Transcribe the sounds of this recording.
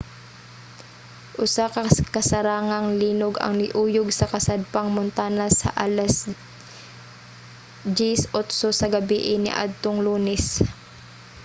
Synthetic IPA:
ʔʊsakɐkɐsɐɾaːŋɐŋliːnoɡɐ̰ŋnɪʔuːjoɡsɐkɐsad̪̚pɐŋmʊnt̪aːnɐsɐ̰ʔaːlɐs | d͡ʒisot̪sosɐɡɐbiʔɪnɪ̰ʔa̰d̪̚t̪oŋluːnɛs

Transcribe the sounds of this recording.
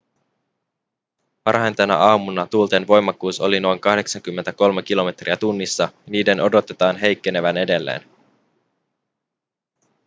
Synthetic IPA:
pɑrhɑjnt̪enæ̰ʔɑːmunːɑt̪ult̪e̞nʋo̞jmːɑkːuːso̞lino̞jŋkɑhde̞ksɑŋk̟ymːe̞nt̪æko̞lme̞k̟ilo̞me̞t̪riæt̪unːisːɑniːde̞no̞do̞t̪e̞t̪ɑːnɦe̞jkːe̞ne̞ʋæne̞de̞lːḛːn

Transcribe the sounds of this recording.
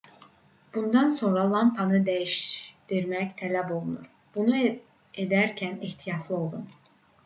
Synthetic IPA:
b̥und̪ɑnso̞nɾɑlˠɑmpʰɑnɯd̪æjiʃd̪̥iɾmæct̪ʰælæbo̞lˠunuɾ | b̥unu | ed̪æɾcʰæniht̪ʰijɑt̪ʰlˠɯo̞lˠd̪um

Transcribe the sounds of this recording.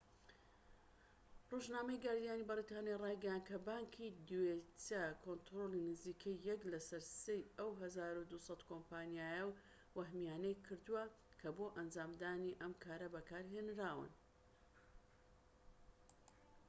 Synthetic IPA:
roʒnaːmɐjɡaɾd̪ijaːnibɐɾit̪ʰaːnjarˤɑjɡɐjan̚kʰɐbaːŋkʰid̪wet͡sɐkʰont̪ɾolinɨziːkʰɐjːɛklɐsɐɾsejʔɐwɦɐzaːɾud̪usˤɑt̪kompaːnjaːjɐw | wɐɦmijaːnɐjkʰɨɾd̪uwɐ | kʰɐboːʔɐnd͡ʒaːmd̪aːniʔɐmkʰaːɾɐbɐkaːɾɦenɾaːwɨ̰n

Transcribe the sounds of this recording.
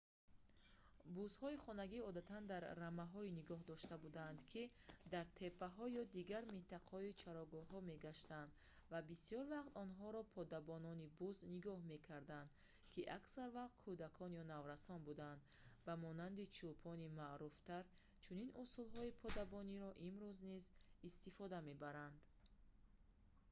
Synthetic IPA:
buzhɔiχɔnaɡiɔd̪at̪ʰand̪aɾːamaɦɔiniɡɔɦd̪ɔʃt̪abud̪and̪kʰi | d̪aɾt̪ʰe̞pʰːaɦɔjɔd̪iɡaɾmint̪ʰaqʰhɔit͡ʃʰaɾɔɡɔɦɔme̞ɡaʃt̪and̪ | vabisijɔɾvaqt̪ɔnɦɔɾɔpʰɔd̪abɔnɔnibuzniɡɔhme̞kʰaɾd̪and̪ | kʰiʔaksaɾvaqt̪̚kʰud̪akʰɔnjɔnavɾasɔnbud̪and̪ | vamɔnand̪it͡ʃʰupʰɔnimaʔɾuft̪aɾ | t͡ʃʰuninusulɦɔipʰɔd̪abɔniɾɔʔimɾuznizist̪ifɔd̪ame̞baɾand̪

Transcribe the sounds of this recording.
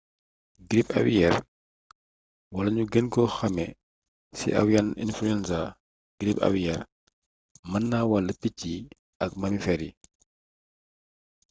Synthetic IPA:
ɡɾipɐ̰wijɛɾ | wɐlɐɲuɡənkɔxɐmɛ | sḭʔɐ̰wjanḭnfluɛnsa | ɡ̥ɾipɐ̰wijɛɾ | mɐnːaːwɐlːəpicːi | ʔɐk̚mɐmifɛɾi

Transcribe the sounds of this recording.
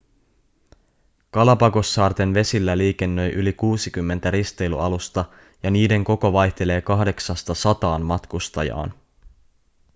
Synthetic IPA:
kɑlɑpɑko̞sːɑːrt̪e̞nʋe̞silːæliːke̞nːø̞jʔylikuːsikymːe̞nt̪æɾist̪e̞jlṵɑlust̪ɑ | jɑniːde̞ŋko̞ko̞ʋɑjçt̪e̞le̞ːkɑɦde̞ksɑst̪ɑsɑt̪ɑːnmɑt̪kust̪ɑjɑ̰ːn

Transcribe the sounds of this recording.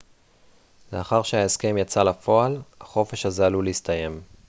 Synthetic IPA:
le̞aχaʁʃeaeske̞mjat͡salafo̞alhaχo̞fe̞ʃazaluleist̪ʰaje̞m

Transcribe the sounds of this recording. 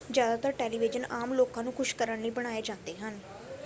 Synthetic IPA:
d͡ʒjaːd̪aːt̪əɾʈeːliːʋɪd͡ʒənaːmloːkãːnũːkʰʊʃkəɾəɳləiːbəɽ̃aːeːd͡ʒãːnd̪eːɦən

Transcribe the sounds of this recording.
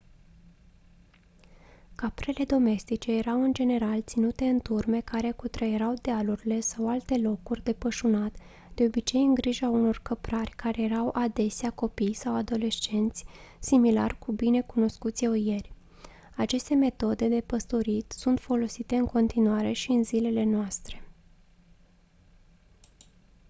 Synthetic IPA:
kapɾe̞le̞d̪o̞me̞st̪it͡ʃe̞je̞ɾawɨnd͡ʒe̞ne̞ɾalt̪sinut̪e̞ɨnt̪urme̞kaɾe̞kut̪ɾəjeɾawd̪ealuɾʲile̞sawalt̪e̞lo̞kurʲd̪e̞pəʃunat̪ | d̪̥e̞o̞bit͡ʃe̞jɨŋɡɾiʒauno̞rkəpɾarʲkaɾe̞je̞ɾawʔad̪e̞seako̞pijsawad̪o̞le̞ʃt͡ʃe̞nt̪sʲsimila̰rkubine̞kuno̞skut̪sʲoje̞rʲ | at͡ʃe̞st̪e̞me̞t̪o̞d̪e̞d̪e̞pəst̪o̞ɾit̪sunt̪fo̞lo̞sit̪e̞ɨŋko̞nt̪inuaɾe̞ʃiɨnzile̞le̞noast̪ɾe̞

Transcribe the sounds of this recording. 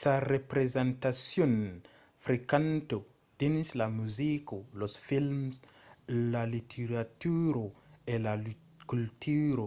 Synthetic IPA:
sarepɾezẽnt̪asjon | fɾikant̪o | d̪̥inslamuzikolosfilmslalit̪ʰeɾat̪uɾoelal | kult̪uɾo

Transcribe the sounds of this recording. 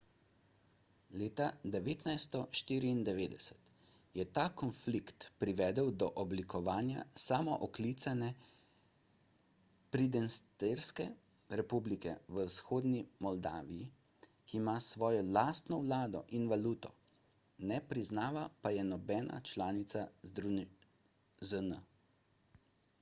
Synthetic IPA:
leːt̪ad̪ɛʋeːt̪najst̪ɔʃt̪iːɾiːnd̪ɛʋeːd̪ɛsɛ̥t̪ | jɛt̪akɔnflikt̪pɾiʋɛːd̪əwd̪ɔʔɔblikɔʋaːnja̰saːmɔʔɔklit̪sanɛ | pɾid̪ɛnst̪eɾskɛ | ɾɛpublikɛ̰ʋəwsxoːd̪nimɔld̪a̰ːʋiji | kiːmasʋɔːjɔlast̪nɔwlaːd̪ɔ̰ʔinʋaluːt̪ɔ | nɛpɾiznaːʋapajɛnɔbɛːna̰t͡ʃlaːnit̪sazd̪ɾun | zənə

